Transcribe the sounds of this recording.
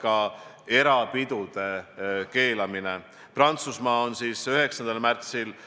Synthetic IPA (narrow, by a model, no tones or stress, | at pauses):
kɑ | e̞ɾɑpid̪̥ud̪̥e̞ke̞ːlɑmine | prɑnt̪susmɑːonsiːsyɦe̞ksɑnd̪̥ɑlmært̪sil